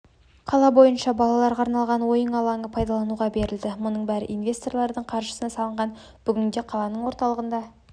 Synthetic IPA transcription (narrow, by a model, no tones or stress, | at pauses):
qʰɑlˠɑbo̞jənʃɑbɑlˠɑlˠɑɾʁɑɾnɑlˠʁɑnwo̞jəɴɑlˠɑŋəpʰɑjd̪ɑlˠɑnuʁɑbe̞ɾɪld̪ɪmʊnəɴbæɾɪ̰ʔijnvʲe̞st̪o̞rlˠɑɾd̪əɴqʰɑɾʒə̥sənɑsɑlˠəɴʁɑn | b̥ʏɡʲɪnd̪e̞qʰɑlˠɑnəɴwo̞ɾt̪ɑlˠəʁənd̪ɑ